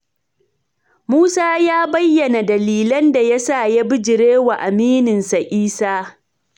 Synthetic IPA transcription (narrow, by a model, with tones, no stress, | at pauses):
muː˦saː˦jaː˦bɐ˦jːɐ˨na˨dɐ˨liː˨lɐ˦nda˨ja˦sa˦˨ja˦bɪ˦d͡ʒɪ˨ɾeː˦wa˨ʔa˨miː˦nɪ˨nsa˨ʔiː˦saː˦